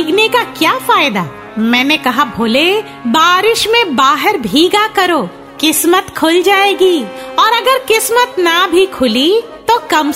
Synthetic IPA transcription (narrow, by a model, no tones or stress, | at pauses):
ɡnekakjaːfaːjd̪aː | mɛ̃ːnekɐɦabʱoːle | baːɾɪʃmẽbaːɦəɾbʱiːɡakɐɾoː | kɪsmət̪kʰʊld͡ʒaːeːɡiːɔːɾɐɡəɾkɪsmət̪nabʱikʰʊli | t̪okɐm